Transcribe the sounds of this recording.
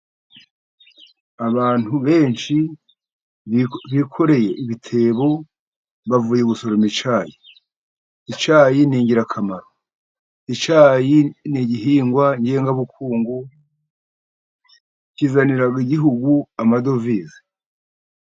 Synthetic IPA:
aβaːn̥huβe̞ːnʃi | βikʰo̞ɾe̞je̞ʔiβitʰe̞ːβo̞ | βavuːjeɡuso̞ɾomit͡ʃaːji | it͡ʃaːjiniːɲɟiɾakʰamaɾo | it͡ʃaːjiniɟiɦiːŋɡwaɲɟeːŋɡaβukuːŋɡu | cizaniɾaɡiɟiɦuɡuamado̞vizi̥

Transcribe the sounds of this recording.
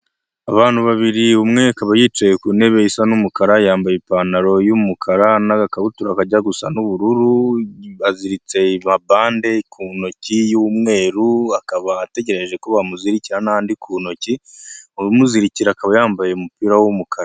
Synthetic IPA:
aβaːn̥huβaβiɾiumŋe̞akaβajiːt͡ʃejekune̞βe̞isanumukaɾajaːmbajipaːnaɾo̞jumukʰaɾanaɡakaβutuɾakaɟaɡusa̰nuβuɾuɾuβaziɾit͡se̞imabaːnde̞kʰuno̞cijumŋe̞ːɾuakaβaːte̞ɟe̞ɾeʒe̞ko̞βamuziɾiciɾanaaːndikʰuːno̞ciumuziɾiciɾakaβajaːmbaje̞umupiːɾawumukʰaɾa

